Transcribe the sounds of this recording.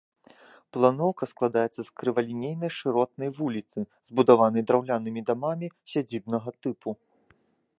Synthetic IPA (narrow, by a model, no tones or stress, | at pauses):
plˠanɔwkɐsklˠad̪ajɛt̪sːɐskɾɨvɐlʲinʲejnɐjʂɨɾɔt̪̚nɐjvulʲit̪sɨzbud̪avanɐjd̪ɾawlʲanɨmʲid̪amamʲisʲad͡zʲibnɐɣɐt̪ɨpʰu